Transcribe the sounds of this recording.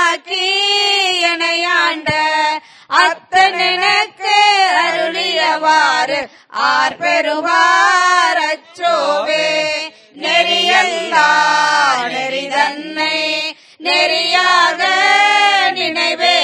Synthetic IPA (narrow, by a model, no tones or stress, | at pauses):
kːi | ɛnɐjaːɳɖɐ | ɐt̪ːɐnɪnɐkːeɐɾɯlɪjɐʋaːɾɯ | ʔaːɾpɛɾɯʋaːɾɐt͡ʃːoːʋeː | nɛɾɪjɐnd̪aː | ɛɾɐnːɐɪ | nɛɾɪjaːɣɐ | nɪnɐɪʋe